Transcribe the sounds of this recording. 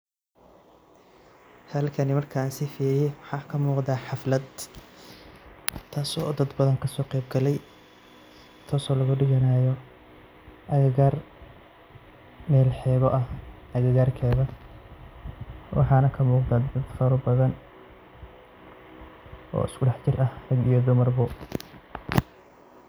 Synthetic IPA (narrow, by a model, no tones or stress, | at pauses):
hɐlkʰɐnɪmɐrkʰansɪfiːɾɪjɛwɑħɑːkʰɐmuːqd̪aːħɑflɐd̪ | t̪ʰːaːsɔːd̪ɐd̪bɐðɐŋkʰɐsɔːqɛjb̚ɡɐlɛj | t̪ʰɔːsɔːlɐɣʊɖɪɣɐnaːjɔ | ʔɐɣɪɣaːr | mɛːlħɛːβɔʔɐhʔɐɣɪɣaːrkʰɛːðɐ | wʔɑ̰ħɑːnɐkʰɐmuːqd̪ad̪ɐd̪fɔɾɐbɐðɐn | ʔɔ̰ːɪskʰʊɖɑħt͡ʃɪrʔɐhrɐɡijɔd̪ʊmɐrbʊ